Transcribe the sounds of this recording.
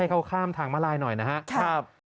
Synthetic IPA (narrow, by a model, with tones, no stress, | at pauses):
jkʰa˥˩wkʰaː˥˩mt̪ʰaː˩˦ŋmaː˧˥˩laː˧jnɔ˨˩jna˦˥ɦa˦˥ʔkʰa˥˩p̚